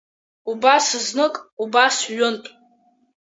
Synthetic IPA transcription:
ubasɨznɨkʼubasɥʊntʼ

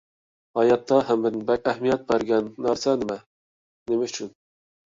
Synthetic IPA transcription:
hɑjɑt̪ʰːɑɦæmbɪɾnbɛkʲæhmijɛt̪̚bæɾɡʲɛnːæɾsɛnɪmɛ | nemɛyt͡ʃʰyn

